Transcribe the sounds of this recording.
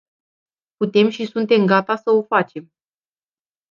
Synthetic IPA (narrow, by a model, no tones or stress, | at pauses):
put̪e̞mʃisunt̪e̞mɡat̪asəo̞fat͡ʃe̞m